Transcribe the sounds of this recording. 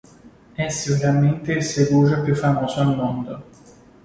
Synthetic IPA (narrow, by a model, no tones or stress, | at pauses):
ɛsiuɾament̪eseɡuʒapjufːamɔːsoalmɔnd̪o